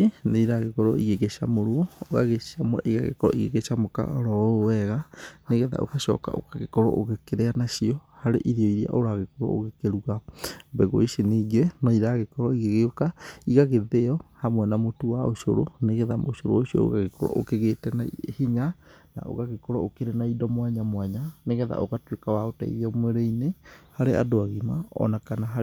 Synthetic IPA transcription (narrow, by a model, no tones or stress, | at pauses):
neiɾaɣekɔɾɔiɣeɣeʃa̰moɾoɔoɣa̰ɣeamwɛʔiɣa̰ɣḛkɔɾɔiɣeɣeʃamoka̰ɾɔowɛɣaneɣeða̰ʔo̰kaʃɔ̰ka̰o̰kaɣekɔɾɔ̰ʔoɣekeɾeanaʃiɔhaɾeʔiðiɔiɾia̰ʔoɾaɣekɔɾɔ̰o̰ɣekeɾuɣabɛɣo̰iseniːɡenɔiɾaɣekɔɾɔiɣeɣeokaiɣaɣeðeɔhamwɛnamotuwaoʃo̰ɾoneɣɛðamoʃoɾo̰oɕiɔ̰o̰ɣaɣekɔɾɔ̰ʔokeɣetɛnahiɲana̰ʔo̰ɣaɣekɔɾɔokeɾenaidɔmwaɲamwaɲaneɣɛða̰ʔoɣatwekawaota̰ḭðiɔmweɾeinehaɾea̰doaɣimaɔ̰nakanaɦa